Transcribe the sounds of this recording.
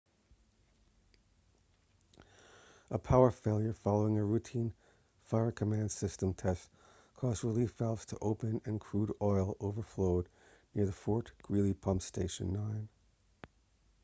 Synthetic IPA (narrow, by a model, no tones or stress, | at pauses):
ʔəpʰaʊə˞feɪlˠjə˞fɑlˠoʊɪ̃ŋɨɹʉtʰĩn | faɪə˞kʰəmæ̃nd̥sɪstə̃mtʰɛst | kʰɔzdɹəlifɛlˠvz̥tʰəʔoʊpɨ̃nɨ̃nkʰɹ̥uɾɔɪlˠoʊvə˞floʊdⁿ | nɪɹðɨfɔɹtɡ̥ɹilˠipʰʌ̃mpsteɪʃɨ̰̃nːãɪ̃n